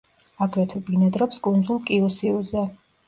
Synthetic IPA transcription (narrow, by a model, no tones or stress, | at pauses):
aɡɾɛt̪ʰɛbinɛd̪ɾɔpskʼund̪zulˠkʼiusiuzɛ